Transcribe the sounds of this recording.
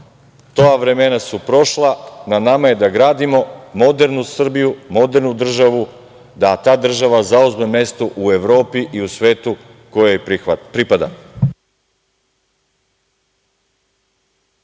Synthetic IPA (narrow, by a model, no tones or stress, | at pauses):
t̪o̞aʋɾe̞menasupɾo̞ʃlˠananamaje̞d̪aɡɾaːd̪imo̞mo̞d̪e̞ɾnusr̩bijumo̞d̪e̞ɾnud̪r̩ʒaʋu | d̪at̪aːd̪r̩ʒaʋazauzme̞me̞st̪oʔue̞ʋɾo̞ːpiʔiusʋe̞ːt̪u | ko̞jojpɾipad̪a̰